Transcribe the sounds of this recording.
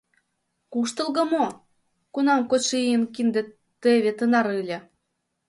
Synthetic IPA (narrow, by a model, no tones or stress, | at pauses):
kuʃt̪ɤ̆lɣɤ̆mo | kunɑmkot̪ʃeijənkind̪ĕ | t̪eβet̪ənɑɾɯlʲĕ